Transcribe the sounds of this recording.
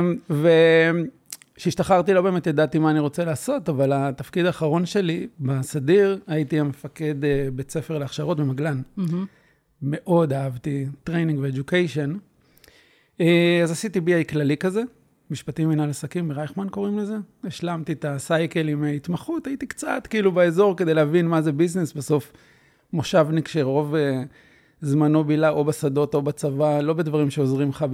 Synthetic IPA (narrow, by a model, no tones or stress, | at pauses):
ve | ʃeiʃtaχaʁtilo̞be̞ːmet̪jadat̪imaːniʁo̞t͡selaːso̞tavalat̪afkid̪aːχaʁo̞nʃe̞libasadiʁaitiamefake̞d̪ebe̞t͡se̞fe̞ʁleaχʃaʁotbemaɡlan | me̞ʔo̞daavtitʁejnĩŋɡveed͡ʒukejʃo̞n | eazasitibiajklalikaze̞ | miʃpatiminalasakimeʁajχmanko̞ʁimleze̞eʃlamtit̪asajke̞limeit̪maχutajit̪ikt͡sa̰tkiilubeezo̞ʁke̞d̪ejlehavinmazebiznisbeso̞f | moʃavnikʃeʁʁo̞ve | zmano̞bilaʔo̞basado̞to̞bat͡savalo̞be̞dvaʁimʃeozʁimχab